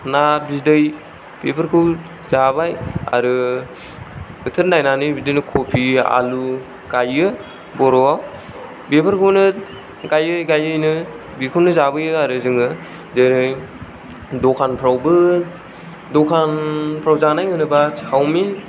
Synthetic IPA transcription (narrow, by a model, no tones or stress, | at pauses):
nabidɯj | b̥epʰɯɾkʰɯw | zabaja̰ɾɯ | bɯtʰɯɾnajnanɯjbidɯjnɯkʰopʰia̰lu | ɡajɯ | bɔɾɔaw | bepʰəɾkʰɯwnɯ | ɡajɯjɡajɯjnɯ | bikʰɯwnɯzabɯjɯaɾɯzɯŋɯ | deɾɯj | dɔkʰanpʰɾawbɯ | dɔkʰanpʰɾawzanajɯnɯbasawmin